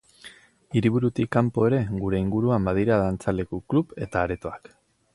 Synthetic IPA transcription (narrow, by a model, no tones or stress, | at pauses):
iɾiβuɾut̪ikːampo̞e̞ɾe̞ɡuɾe̞iŋɡuɾuambaðiɾaðant͡sale̞kuklupe̞t̪aːɾe̞t̪o̞ak